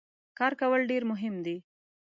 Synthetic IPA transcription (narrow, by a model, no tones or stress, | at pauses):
kɑːɾkawəlɖeɾmʊɦɪmd̪i